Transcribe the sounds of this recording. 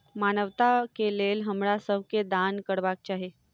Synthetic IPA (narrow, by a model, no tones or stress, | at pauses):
manəʋt̪akelelɦəmɭasəwked̪ankəɽʋak̚t͡ɕaɦe